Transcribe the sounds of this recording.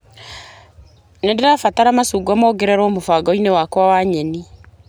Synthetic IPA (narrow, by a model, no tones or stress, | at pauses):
nendeɾafataɾamasuɡuamɔːɡɛɾɛɾɔmofaɡɔinewakwawaɲɛni